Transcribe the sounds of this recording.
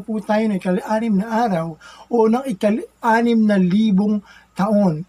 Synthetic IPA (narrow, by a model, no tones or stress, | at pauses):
put̪aːjonɐɪkɐlʔaːnɪmnɐʔaːɾɐwʔonɐŋɪkɐlʔaːnɪmnɐliːboŋt̪ɐʔo̞n